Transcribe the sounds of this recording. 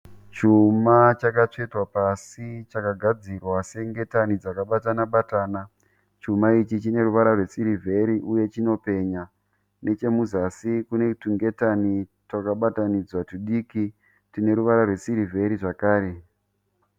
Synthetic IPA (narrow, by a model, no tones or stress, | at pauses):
t͡ʃumat͡ʃakat͡ʂe̞twapasit͡ʃakaɡʱad͡zirwase̞ŋɡe̞tanid͡zakaɓatanaɓataːna | t͡ʃumait͡ʃit͡ʃine̞ruʋaɾarwe̞siɾivʱe̞ɾiʔuje̞t͡ʃino̞pe̞ːɲa | ne̞t͡ʃe̞muzasikunetuŋɡe̞tanitwakaɓatanid͡zwatuɗiːki | tine̞ɾuʋaɾarwe̞siɾivʱe̞ɾiʐakaːɾe̞